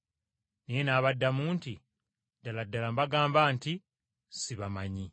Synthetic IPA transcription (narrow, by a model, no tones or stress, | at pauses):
nijenaːβadːamuːnti | daladːalambaɡaːmbaːnti | siβamaɲi